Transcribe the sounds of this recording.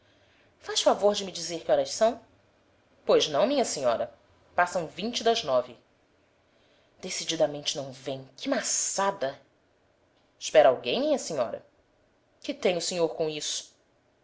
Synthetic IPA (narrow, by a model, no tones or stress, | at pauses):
faʃfavoɾd͡ʒɪmɪd͡ʒizeɾkɪɔɾɐʃsɐ̃w̃ | pojznɐ̃w̃mĩɲɐsĩɲɔɾɐ | pasɐ̃w̃vĩnt͡ʃɪd̪ɐznɔvɪ | d̪̥esid͡ʒid̪ɐmẽnt͡ʃɪnɐ̃w̃vẽj̃kʰɪmasad̪ɐ | ɪʃpɛɾawɡẽj̃mĩɲɐsĩɲɔ̰ɾɐ̰ | kɪt̪ẽj̃ʊseɲoɾkõisʊ̥